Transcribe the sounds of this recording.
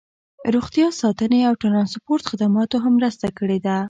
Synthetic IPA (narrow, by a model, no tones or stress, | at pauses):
ɾoxt̪jɑsɑt̪əneawʈaɾɑnspoɾt̪xɪd̪amɑt̪oɦamːɾəst̪akəɽed̪a